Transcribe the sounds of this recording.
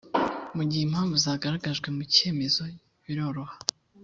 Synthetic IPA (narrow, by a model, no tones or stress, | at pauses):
muɟihem̥haːɱvuzaːɡaɾaɡaʒɡwe̞muce̞ːme̞zo̞ | βiɾo̞ɾo̞hḁ